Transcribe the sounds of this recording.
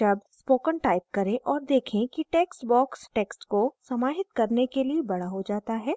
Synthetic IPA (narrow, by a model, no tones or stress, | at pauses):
d͡ʒɐbspoːkənʈaːɪp̚kɐɾẽʔɔːɾd̪eːkʰẽkiʈeːksʈbɔːksʈɛːksʈkosɐmaːɦɪt̪kɐɾnekeliebɐɽ̤aɦod͡ʒaːt̪aɦɛː